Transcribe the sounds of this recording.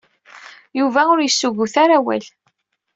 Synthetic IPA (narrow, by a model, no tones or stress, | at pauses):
juvæʊɾjəsːuʝuθaɾawæ̰l